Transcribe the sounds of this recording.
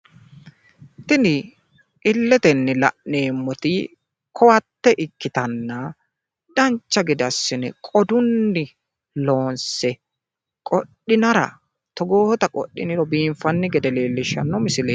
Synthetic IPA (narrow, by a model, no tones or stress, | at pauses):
t̪ɪnɪ | ʔɪlːɛt̪ɛnːɪlɐ̰ʔneːmːɔt̪ɪ | kʰɔwɐt̪ːɛʔɪkːɪt̪ɐnːɐ | d̪̥ɐɲt͡ʃːɐɡɛd̪ɐsːɪnɛ̰kʼɔd̪ʊnːɪ | loːnsɛ | kʼɔɗɪnɐɾɐ̰ | t̪ɔɡoːt̪ɐkʼɔ̰ɗːɪ̰nɪɾɔbiːɱfɐnːɪɡɛd̪ɛleːlːɪʃːɐ̰nːɔmɪsɪleː